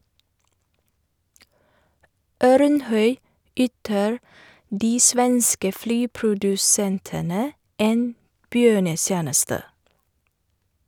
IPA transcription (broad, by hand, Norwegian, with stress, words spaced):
ˈœɾnˌhœʏ ˈyːtəɹ ˈdiː ˈsʋɛnskə ˈflyːpɾʊdʉˌsɛntənə ˈeːn ˈbjøːɳəˌsjæːnəstə